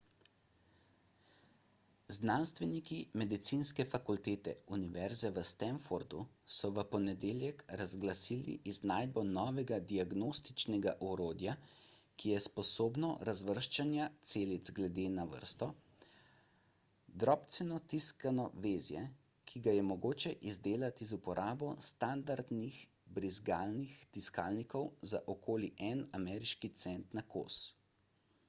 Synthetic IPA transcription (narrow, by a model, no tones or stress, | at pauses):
znanst̪ʋɛnikimɛd̪it̪sinskɛfakult̪eːt̪ɛ̰uniʋɛɾzɛʋəst̪ɛnfoɾd̪usɔʋəpɔnɛd̪eːljɛkɾazɡlasiːlḭʔiznaːjd̪̚bɔnɔːʋɛɡad̪iaɡnoːst̪it͡ʃnɛɡaʔɔɾoːd̪jakʰijɛspɔsoːbnɔɾazʋəɾʃt͡ʃanjat̪seːlid̪zɡlɛd̪eːnaʋə̰ɾst̪ɔ | d̪ɾɔːpt̪sɛnɔt̪iskanɔʋeːzjɛ̰ | kʰiɡajɛmɔɡoːt͡ʃɛʔizd̪eːlat̪izupɔɾʔaːbɔst̪and̪aɾd̪nix | bɾizɡaːlnixt̪iska̰ːlnikɔwza̰ʔɔkoːliʔɛnamɛːɾiʃkit̪sɛnt̪nako̰ːs